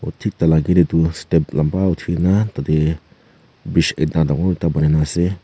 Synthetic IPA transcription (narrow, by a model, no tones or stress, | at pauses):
otʰik̚talaɡiɾedustep̚lambautʰinatade | bisḛt̚nadaŋɔɾtabaninase